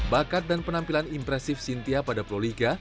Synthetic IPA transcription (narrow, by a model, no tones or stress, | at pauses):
bakat̪̚danpənampilanimpɾɛsɪfsint̪iapadapɾoliɡa